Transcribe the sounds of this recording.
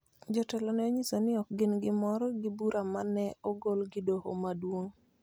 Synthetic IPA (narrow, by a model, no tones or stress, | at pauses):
d͡ʒɔtɛlɔnɛoɲisonɪɔkɡɪnɡɪmɔɾɔɡɪbuɾamanɛɔɡolɡɪdoho̰madwoŋ